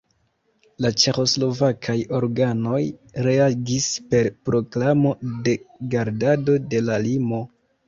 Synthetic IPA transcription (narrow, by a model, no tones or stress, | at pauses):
lat͡ʃe̞xo̞slo̞vakʰajo̞ɾɡano̞jɾe̞aɡispe̞ɾpɾo̞klamo̞de̞ɡaɾdado̞de̞lalimo̞